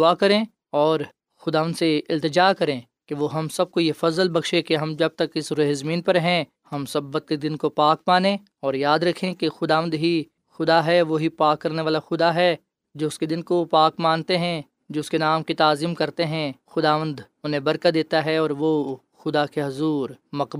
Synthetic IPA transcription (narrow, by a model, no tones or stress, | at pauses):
ʊakɐɾẽ | ɔːɾ | xʊd̪aːʋə̃nd̪seɪlt̪ɪd͡ʒaːkɐɾẽ | keʋoɦɐmsɐb̚kojefɐzəlbɐkʃẽkeɦɐmd͡ʒɐb̚t̪ɐkɪsɾʊɦzmiːnpɐɾɦɛ̃ | hɐmsɐbːɐt̪̚ked̪ɪnkopaːk̚maːnẽ | ɔːɾjaːd̪ɾɐkʰẽkexʊd̪aːʋə̃nd̪ɦi | xʊd̪aɦɛʋoɦipaːkːɐɾneʋaːlaxʊd̪aɦɛ | d͡ʒoːʊsked̪ɪnkopaːkmãːnt̪eɦɛ̃ | d͡ʒoːʊskenaːmkit̪aːzimkɐɾt̪eɦɛ̃xʊd̪aːʋə̃nd̪ | ʊnɦẽbɐɾkad̪eːt̪aɦɛɔːɾʋoː | xʊd̪akeɦɐzuːɾmɐqb